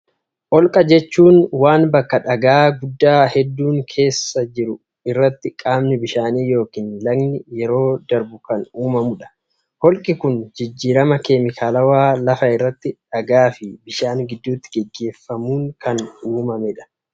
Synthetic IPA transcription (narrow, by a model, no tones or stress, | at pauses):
ʔɔlkʼɐd͡ʒɛt͡ʃːuːnwaːnbɐkːɐᶑɐɡaːɡʊd̪ːaːhɛd̪ːuːŋkʰe̞ːsːɐd͡ʒɪɾʊ | ɪrːɐt̪ːɪkʼaːmnɪbɪʃaːniːjo̞ːkiːnlɐɡnɪjɛɾo̞ːd̪ɐɾbʊkɐnuːmɐmʊᶑɐ̥ | hɔlkʼɪkʊnd͡ʒɪd͡ʒːiːɾɐmɐkemɪkʰaːlɐwaːlɐfɐɪrːɐt̪ːɪᶑɐɡaːfɪbɪʃaːnɡɪd̪ːuːt̪ːɪ̥ɡɛɡːe̞ːfːɐmuːŋkɐnuːmɐmɛᶑɐ̥